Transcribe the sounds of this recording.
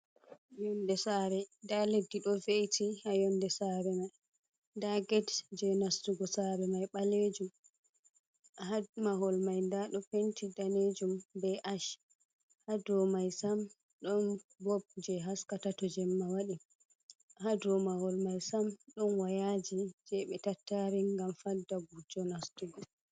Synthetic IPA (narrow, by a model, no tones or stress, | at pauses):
ajɔndɛsaɾɛdaledːiɗɔvejtʰihajɔndɛsaɾɛmaj | daɡɛtd͡ʒɛnastuɡɔsaɾɛmajɓaled͡ʒum | hamaɦɔlmajndaɗɔpentʰidaned͡ʒumbɛʔaʃ | hadɔmajsam | ɗɔnbɔb̚d͡ʒɛɦaskatatɔd͡ʒɛmːawaɗi | hadɔmahɔlmajsamɗɔnwajad͡ʒid͡ʒɛɓɛtatːaɾiŋɡamfadːaɡud͡ʒɔnastuɡɔ